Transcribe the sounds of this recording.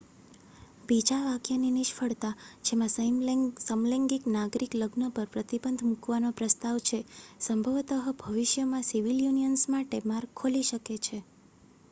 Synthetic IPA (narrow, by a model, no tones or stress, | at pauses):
bid͡ʒaʋakjaniniʃfʰəɭt̪ad͡ʒemãsəmsəmlɛ̃ŋɡiknaɡɾikləɡnəpəɾpɾət̪ibənd̪ʱmukʋanopɾəst̪aʋt͡ʃʰesəmbʱəʋt̪əɦəbʱəʋiʃjəmãsiʋiljunijənsmaʈemaɾkʰoliʃəket͡ʃʰe